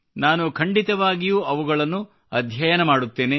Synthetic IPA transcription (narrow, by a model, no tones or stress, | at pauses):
naːnukʰɐɳɖit̪ɐʋaːɡijuːʔɐʋuɡɐɭɐnːu | ɐd̪ʱjɐjɐnɐmaːɽut̪ːe̞ːne